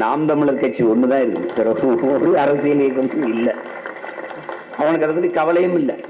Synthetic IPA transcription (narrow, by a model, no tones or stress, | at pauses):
na̰ːmt̪ɐmːɪɭɐɾkɐt͡ʃːiɔnːɯðãːɪɾɯnɯpɛɾɐʋːɾɯɐɾɐsɪjɐleːkːɐmt̪ɯɪlːɐ | ɐʋɐnɐk̬ːɐðɐpːoːðikɐʋɐlɐjɯmɪlːɐ